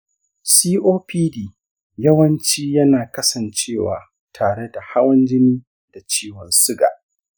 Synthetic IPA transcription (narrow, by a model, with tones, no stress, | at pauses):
siː˦ʔoː˦piː˦diː˨ | jɐ˦wɐ˦nt͡ʃiː˦jɐ˦naː˨kɐ˦sɐ˨nt͡ʃeː˦˨wa̰ː˨ | tʰaː˨ɽe˦da˨ha˦wɐ˦nd͡ʒɪ˦niː˦ | d̥a˨t͡ʃiː˦wɔ˨nsʊ˦ɡa̰ː˨ʔ